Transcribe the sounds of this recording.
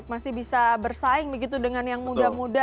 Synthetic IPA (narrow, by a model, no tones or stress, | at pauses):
k̚masɪhbisabərsaɪŋbəɡit̪̬udəŋanjaŋmudamuda